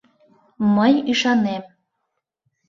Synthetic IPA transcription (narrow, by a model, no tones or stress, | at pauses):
məjiʃɑnem